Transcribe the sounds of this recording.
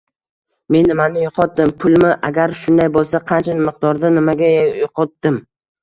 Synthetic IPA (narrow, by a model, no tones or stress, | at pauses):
me̞nːɪmanɪjʊqʰɒt̪̚d̪ɪmpʰʊlˠmɪʔaɡʲaɾʃʊnd̪ajbolˠsaqʰɑnt͡ʃʰanɪmɪq̚d̪ɒɾd̪anɪmaɡʲajjoqʰɒt̪̚d̪ɪm